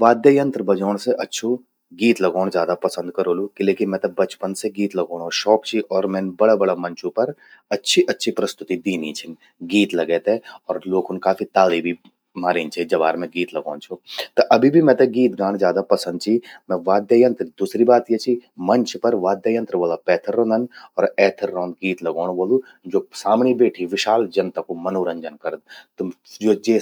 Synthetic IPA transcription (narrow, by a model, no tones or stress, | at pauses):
ʋaːd̪jajə̃nt̪ɾbɐd͡ʒɔːɽ̃seʔɐtːʃʰo | ɡiːt̪lɐɡɔːɽ̃zjaːd̪apɐsə̃nd̪̚kɐɾoːlukɪleːkimɛ̃t̪ɐbɐt͡ʃpənseɡiːt̪lɐɡoːɽ̃oʃɔːkt͡ʃʰiʔɔːɾmɛ̃ːnbɐɽabɐɽamɐ̃ɲt͡ʃʰũpɐɾ | ɐtːʃʰiʔɐtːʃʰipɾɐst̪ʊt̪id̪iːnit͡ʃʰɪn | ɡiːt̪lɐɡɛːt̪eɔːɾloːkʊnkaːfit̪aːlibʱi | maːɾeːnt͡ʃʰid͡ʒɐʋaːɾmɛ̃ɡiːt̪lɐɡa̰ːnt͡ʃʰut̪ɐʔɐbʱibʱimɛ̃t̪ɐɡiːt̪ɡãːɽ̃d͡ʒjaːd̪apɐsə̃nd̪̚t͡ʃʰimɛ̃ʋaːd̪jaːjɐnt̪ɾd̪uːsɾibaːt̪jet͡ʃʰimɐɲt͡ʃʰpɐɾʋaːd̪jaːjə̃nt̪ɾəʋoːlapɛːt̪ʰəɾːɔ̃ːnd̪ʱɐnɔːɾɛːt̪ʰəɾːɔ̃ːnd̪̚ɡiːt̪lɐɡɔːɽ̃ʋoːlu | d͡ʒoːsaːmɳ̃ibeːʈʰiʋɪʃaːld͡ʒɐnt̪akomɐnoːɾəɲd͡ʒənkɐɾəd̪t̪d͡ʒoːd͡ʒeː